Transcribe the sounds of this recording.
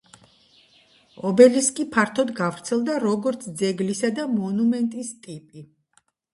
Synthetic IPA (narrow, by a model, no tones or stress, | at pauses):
ɔbɛliskʼipʰaɾt̪ʰɔd̪ɡavɾt̪sʰɛlˠd̪aɾɔɡɔɾt̪sʰd̪zɛɡlisad̪amɔnumɛnt̪ʼist̪ʼipʼi